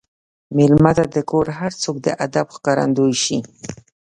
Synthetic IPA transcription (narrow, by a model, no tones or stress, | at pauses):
mɪlmat̪ad̪əkoɾɦaɾt͡sok̚d̪ə̰ʔad̪abxkɑɾa̰nd̪ojʃi